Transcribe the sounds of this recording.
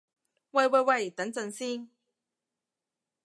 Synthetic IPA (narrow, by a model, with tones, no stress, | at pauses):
we˥˧jwe˥˧jwe˥˩jt̪ə˨˥ŋt͡sə˨˧ŋsi˥ŋ